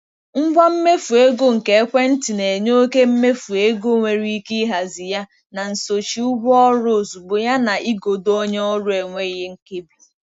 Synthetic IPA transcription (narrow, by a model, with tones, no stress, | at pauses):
ŋ͡m̩˦ɡ͡bʷa˦m̩˦me˦fu˨e˦ɡo˦ŋ̩˨ke˨˦kʷe˦n̩˦ti˨ne˨ɲo˦ke˦m̩˦me˦fu˨e˦ɡo˦˨ŋʷe˨ɾi˦i˦ki˦ɦa˨zi˨ja˦ | na˨n̩˨so˨t͡ʃi˨u˦ɡɔ˦ɾo˦˨zu˨ɡ͡bo˨ja˦na˨ʔi˦ɡo˨do˦ɲ˦ɔ˦ɾʊ˦e˨ŋʷe˦i˦ɦe˦ŋ̩˦ke˦bi˨